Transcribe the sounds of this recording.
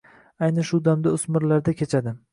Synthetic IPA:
ajnɪʃʊd̪amd̪aʊsmɪɾlaɾd̪akʲʰet͡ʃʰad̪ɪ

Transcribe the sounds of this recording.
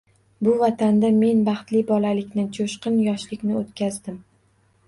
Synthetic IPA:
bʊvat̪ʰand̪ame̞nbɑχt̪lɪbɒlalɪkʲnɪt͡ʃʰoʃqɨnjɒʃlɪkʲnɪot̪kʲʰazd̪ɪm

